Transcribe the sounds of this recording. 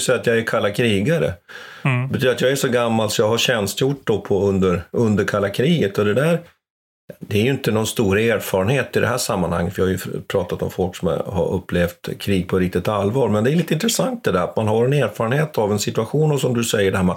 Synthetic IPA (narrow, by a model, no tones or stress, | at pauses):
sɛjːat̪jɑæɾkʰalːakʰɾiːɡaɾə̰ | bɛt̪yːd̪ɾat̪jɑːɡæʂɔɡamːalt̪sɔjɑːɡhaɕɛnst̪jʊʈːd̪ɔpʰɔɵnd̪əɾɵnd̪əɾkʰalːakʰɾiːɡət̪ɔd̪ɛd̪æɾ | d̪ɛæːɾjɵɪnt̪ənɔnst̪uːɾəeːɾfɑːɾənheːt̪ɪd̪ɛ̰ɦæːʂamːanha̰ŋːət̪fœɾɪhajɵpʰɾɑːt̪at̪ɔ̰mfɔlksɔm̰ha̰ɾɵ̰pːleːft̪kʰɾiːɡ̚pʰɔɾɪk̚t̪ɪt̪alːvɑːɾmɛnd̪ɛæɾliːt̪ːəɪnt̪ʰɾɛsaŋt̪̚d̪ɛd̪æɾa̰t̪manɦaɾɛneːɾfɑːɾənheːt̪ʰavɛnsɪt̪ɵaɧuːnɔsɔmd̪ɵsɛjːəɖɛhæːɾmɛ